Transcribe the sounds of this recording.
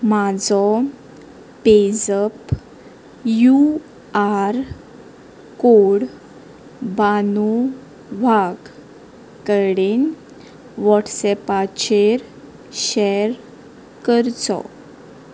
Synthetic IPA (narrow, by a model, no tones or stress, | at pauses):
mad͡zɔ | ped͡zəp | ju | aɾ | koɽ | banu | ʋaɡ | kəɽin | ʋɔʈsɛpat͡ɕeɾ | ɕɛɾ | kəɾt͡sɔ̰